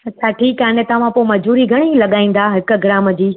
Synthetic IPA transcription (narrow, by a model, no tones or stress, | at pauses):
ɐt͡ɕʰaʈʰiːkaːnɛt̪ɐʋ̤ãpoːmɐd͡ʑbuːɾiɡʱɐɽ̃ilɐɠaːĩːn̆d̪aːɦɪk̆ɡɪɾaːməd͡ʑiː